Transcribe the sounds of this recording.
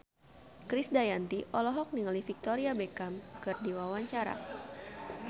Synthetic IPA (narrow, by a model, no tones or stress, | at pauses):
kɾisdajant̪iʔɔlɔɦɔk̚niŋalifik̚t̪ɔɾiabekamkɨrdiwawaɲt͡ʃaɾa̰